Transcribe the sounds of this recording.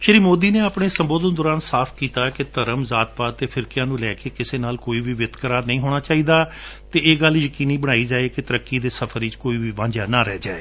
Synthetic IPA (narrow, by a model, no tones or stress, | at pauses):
ʃəɾiːmoːd̪iːneːaːpɽeːsəmboːd̪ənd̪ɔːɾaːnsaːpʰkiːt̪aːkɪt̪əɾəmzaːt̪̚baːt̪eːpʰɪɾkɪjãːnũːlɛːkeːkɪseːnaːlkoːiːʋiːʋɪd̪kəɾaːɾnəĩːɦoːɽ̃aːt͡ʃaːiːd̪aː | t̪eːeːɡəljəkiːniːbəɽ̃aːiːd͡ʒaːeːkɪt̪əɾəkːiːd̪eːsəpʰəɾiːt͡ʃkoːiːʋiːʋãːɲd͡ʒaːnaːɾɛːd͡ʒaːeː